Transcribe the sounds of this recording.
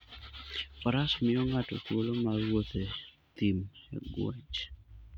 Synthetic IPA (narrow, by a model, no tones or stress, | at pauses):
ɔɾasmɪɔŋatɔt̪wolomaɾwot̪e | t̪imḛɡwo̰t͡ʃ